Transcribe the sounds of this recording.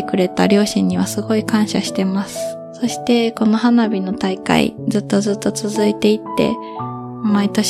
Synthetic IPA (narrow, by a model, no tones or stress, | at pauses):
ekɯ̟ɾe̞t̪a̰ɾʲo̞ːɕĩɲ̟ːiβ̞asɨɡo̞ikãɰ̃ɕaɕi̥t̪e̞masɨ̥ | so̞ɕi̥t̪e̞ko̞no̞ɦanabʲino̞t̪aika̰ḭd͡zɨt̪ːo̞zɨt̪ːo̞t͡sɨzɨit̪e̞it̪ːe̞̰ | mait̪o̞ɕ